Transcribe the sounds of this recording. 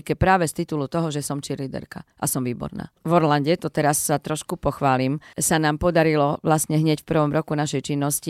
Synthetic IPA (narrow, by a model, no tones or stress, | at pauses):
kɛpɾaːʋɛst̪it̪ulut̪ɔɦɔʒɛsɔmt͡ʃiɾlid̪ɛ̰ɾka̰ʔa̰sɔmʋiːbɔ̰ɾna̰ːvɔɾlaɲɟɛt̪ɔt̪ɛɾasːat̪ɾɔʃkupɔxʋaːlimsanaːmpɔd̪aɾilɔʋlasɲɛɦɲɪɛcfpr̩ʋɔmɾɔkunaʃɛjt͡ʃinːɔsci